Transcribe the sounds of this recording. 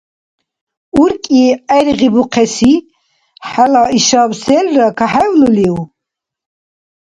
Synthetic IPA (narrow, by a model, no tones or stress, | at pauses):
uɾkʼiɛɾʁibuqʰɛsi | ħalaiʃabsɛlːakʰaħɛvluliw